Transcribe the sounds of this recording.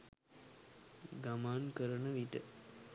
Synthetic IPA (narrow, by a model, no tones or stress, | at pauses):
ɡamaːnkəɾənəʋiʈə